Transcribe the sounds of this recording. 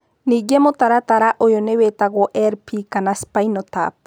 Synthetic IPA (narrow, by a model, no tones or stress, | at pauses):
niɡemot̪aɾat̪aɾaʔojonewet̪aɣoʔeɾpʰikanaspajnot̪a̰p